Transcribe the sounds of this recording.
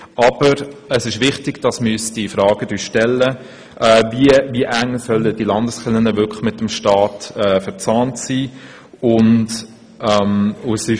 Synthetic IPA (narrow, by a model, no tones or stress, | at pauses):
ɑb̥əɾəsɪʃʋɪχtɪɡ̥d̥ɑsmystifɾɑːɡ̥ədyːʃtɛlːə | ʔɛːviəviəʔæŋsœlːəd̥ilɑndəsχɪlənəʋʏkmɪtəmʃtɑːtɛːfəɾt͡sɑːntsiː | ʊnd | ʔɛmʊsɪ